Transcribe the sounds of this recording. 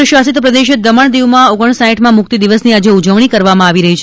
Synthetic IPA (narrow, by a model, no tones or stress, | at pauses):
ʃʋasit̪pɾəd̪eʃəd̪əməɳ̃d̪iʋmãoɡəɳ̃saɦĩʈʰmãmʊk̚t̪id̪iʋəsniad͡ʒeud͡ʒəʋɳ̃ikəɾʋamãaʋiɾəɦit͡ʃʰ